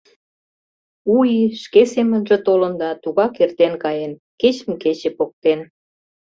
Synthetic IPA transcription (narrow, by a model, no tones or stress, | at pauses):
ujiʃkesemənʒĕt̪olənd̪ɑt̪uɣɑkert̪enkɑjen | ket͡ɕə̆mket͡ɕepok̚t̪en